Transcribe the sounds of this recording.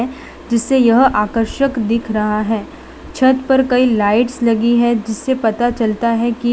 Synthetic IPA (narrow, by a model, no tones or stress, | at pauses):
ɛ | d͡ʒɪsːejɐɦaːkəɾʃəkd̪ɪkʰɾɐɦaɦɛː | t͡ʃʰɐt̪pɐɾkɐilaːɪʈslɐɡiɦɛ̃d͡ʒɪsːepɐt̪at͡ʃɐlt̪aɦɛki